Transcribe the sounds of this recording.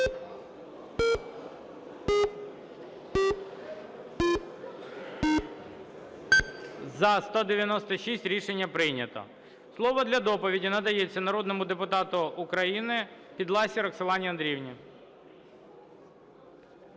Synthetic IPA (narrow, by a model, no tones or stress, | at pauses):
zɐst̪ɔd̪eʋʲjɐnɔst̪ɔʃisʲtʲɾʲiʃenʲːɐpɾɪjnʲɐt̪ɔ̰ | slˠɔʋɔd̪lʲɐd̪ɔpɔʋʲidʲinɐd̪ɐjet͡sʲːɐnɐɾɔd̪nɔmʊd̪epʊt̪ɑt̪ʊʊkɾɐjinɪ | pʲid̪lˠɑsʲiɾɔkselˠɑnʲiɐnd̪ɾʲiwnʲi